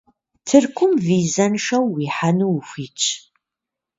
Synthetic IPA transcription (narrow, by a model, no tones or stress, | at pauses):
tʰɨrkʷʰʊmviːzɐnʂɐwːiːħanuwxʷiːt͡ʃʼʰ